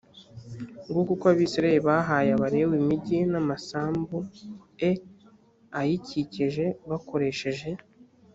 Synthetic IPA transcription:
ŋɡukokaβiːsɾaeɾiβaɦaːjaβaɾe̞wimiɟinamasaːmbue | ajiciciʒe̞βako̞ɾe̞ʃe̞ʒe̞

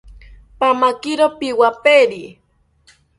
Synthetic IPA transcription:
pamakiɾopiwapeɾi

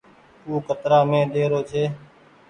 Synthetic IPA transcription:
uːkət̪ɾaːmẽːɗ̪eːɾoːt͡ʃʰeː

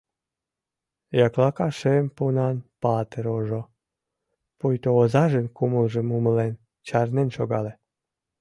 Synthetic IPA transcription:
jɑklɑkɑʃempunɑnpɑt̪eɾoʒo | pujt̪oːzɑʒənkuməlʒəmuməlen | t͡ɕɑrnenʃoɣɑle

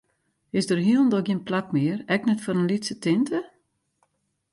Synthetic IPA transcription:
ɪsdərɦiəlˠndɔkɡiənplak̚mɪərɛknɛtfɔɾənlitsətɪntʰə

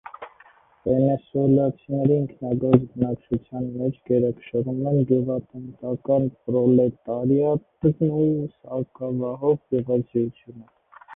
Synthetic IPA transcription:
vɛnɛsuɛlɑt͡sʰinɛɾiəŋkʰnɑɡɔɾt͡sbənɑk̚t͡ʃʰut͡sʰjɑnmɛt͡ʃʰɡɛɾɛkʃəɾumɛnɡɛvɑt̪ɛnt̪ɑkɑnpɾɔlɛt̪ɑɾjɑt̪izmusɑkɑvɑɦɔvjɛvɑzɛjut͡sʰjunə

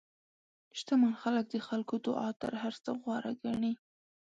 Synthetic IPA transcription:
ʃt̪amanxalək̚d̪əxalkod̪ʊ̰ʔɑt̪ə̰ɾɦaɾt͡saɣwɑɾaɡaɳi

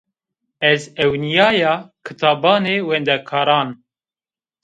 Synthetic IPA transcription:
ɛzɛwnijɑːjɑːkʰɨt̪ʰɑːbɑːneːwɛnd̪ɛkʰɑːɾɑːn

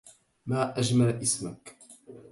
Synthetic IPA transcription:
maːʔad͡ʒmalʔɪsmak

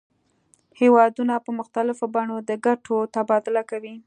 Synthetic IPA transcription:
hewɑd̪unapəmʊxt̪alɪfobɑɳod̪əɡaʈʰot̪abɑd̪ɪlakawi

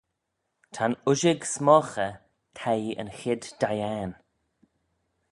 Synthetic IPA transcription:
t̪ʰanʊʒɪɡsmɔːxə | t̪ʰɛjə̰nxɪd̥ːajɛːn

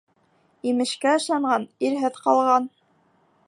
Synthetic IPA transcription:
imɘ̆ʃkæɤ̆ʃlˠɑɴɢɑniɾɦɘðqɑlˠʁɑn

